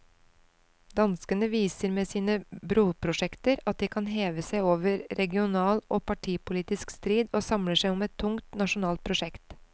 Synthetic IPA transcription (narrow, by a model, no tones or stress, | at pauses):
d̪ɑnskənəʋiːsəɾmeːsiːnəbɾuːpʰɾʊʂɛkt̪əɾɑt̪̚d̪iːkʰɑnɦeːʋəsæɪoːʋəɾɾɛɡɪʊnɑːlʔoːpɑʈʰiːpʊliːt̪ɪskst̪ɾiːd̪oːsɑmləʂæɪʊmɛt̪ʰːʊŋt̪nɑʃʊnɑːlt̪̚pʰɾʊʂɛkt̪